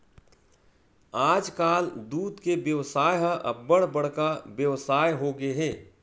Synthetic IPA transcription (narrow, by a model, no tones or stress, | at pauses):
aːd͡ʒkaːld̪uːd̪kebjəʋsaːjɦaʔɐ̰bːəɽbəɽ̤kabjəʋsaːjɦoɡeɦɛ̃ː